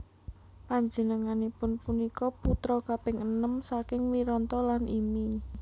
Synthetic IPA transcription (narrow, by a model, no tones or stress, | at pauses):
paɲd͡ʒənəŋanipʊnpunikɔput̪ɾɔkapɪŋənəmsakɪŋwiɾɔnt̪ɔlanʔimi